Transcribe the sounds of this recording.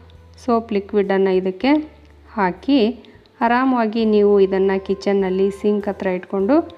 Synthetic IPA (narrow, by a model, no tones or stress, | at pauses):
soːplikʋiɖɐnːɐid̪ɐkːe̞ | haːki | aɾaːmɐʋaːɡiniːʋuid̪ɐnːɐkit͡ʃːɐnːɐlːisiŋɡkɐt̪ɾɐiʈko̞ɳɖu